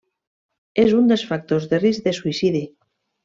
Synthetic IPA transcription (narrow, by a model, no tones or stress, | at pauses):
ezund̪esfak̚t̪ozðeriz̚ðesuisið̞i